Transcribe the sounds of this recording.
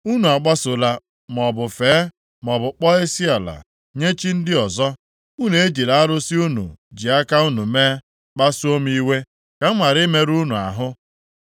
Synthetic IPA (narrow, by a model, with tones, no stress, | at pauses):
u˦nu˨a˨k͡pa˦sʊ˨la˨ | m˨ɔ˨bʊ˨feː˨˦ | m˨ɔ˨bʊ˨k͡pɔ˦e˦si˦a˨la̰˨ | ɲe˦t͡ʃi˦n̩˦dɪ˦ɔ˨zɔ˦ | u˦n˨e˦d͡ʒi˨ɾa˨a˦ɾʊ˦si˦u˦nṵ˨d͡ʒi˨a˦ka˦u˦nu˨meː˦ | k͡pa˦su˦o˦m˦i˦we˦ | ka˨m̩˦ma˨ɾɪ˦me˦ɾu˦nu˨a̰˨ɦʊ˦